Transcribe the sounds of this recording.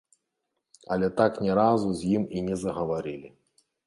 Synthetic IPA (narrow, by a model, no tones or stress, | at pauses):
ɐlʲɛt̪aknʲɛɾazuzʲjiminʲɛzɐɣɐvaɾɨlʲi